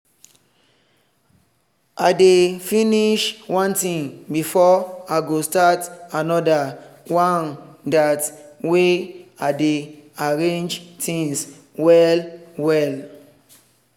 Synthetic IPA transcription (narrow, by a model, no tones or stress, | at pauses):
ʔaɪdefĩniʃwɔ̃ntĩŋbifɔaɪɡostatanɔdawãndatweaɪdeaɹẽnd͡ʒtʰĩŋs | wɛlwɛl